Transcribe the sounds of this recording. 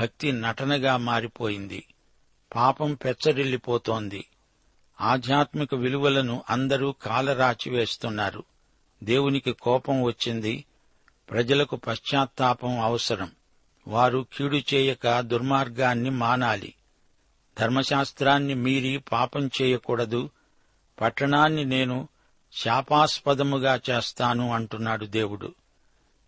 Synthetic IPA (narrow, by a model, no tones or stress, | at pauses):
bʱɐk̚t̪inɐʈɐnɐɡaːmaːɾipo̞ːjind̪ḭ | paːpɐmpɛt͡ʃːɐɾilːipɔːt̪o̞ːnd̪ḭ | aːd̪ʱjaːt̪mikɐʋiluʋɐlɐnuʔɐnd̪ɐɾuːkaːlɐɾaːt͡ʃiʋe̞ːst̪unːaːɾṵ | d̪e̞ːwunikikɔːpɐmʋɐt͡ʃːind̪i | pɾɐd͡ʒɐlɐkupɐʃːaːt̪ːaːpɐmɐʋɐsɐɾɐm | ʋaːɾukʰiːɽut͡ʃɛːjɐkɐd̪uɾmaːɾɡaːnːimaːnaːlḭ | d̪ʱɐɾmɐʃaːst̪ɾaːnːimiːɾipaːpɐmt͡ʃɛːjɐkuːɽɐd̪u | pɐʈːɐɳaːnːine̞ːnu | ʃaːpaːspɐd̪ɐmuɡaːt͡ʃeːst̪aːnuɐɳʈunːaːɽud̪e̞ːwuɽṵ